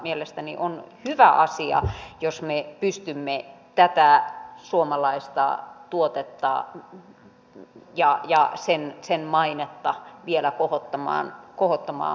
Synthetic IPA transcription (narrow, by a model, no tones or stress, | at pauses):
mielest̪ænḭʔonhyʋæʔɑsiɑ̰josmepyst̪ymːet̪æt̪æsuomɑlɑist̪ɑ̰t̪uot̪et̪ːɑ̰ | jɑjɑsensenmɑinet̪ːɑʋielækohot̪ːɑmɑ̰ːnkohot̪ːɑmɑ̰ː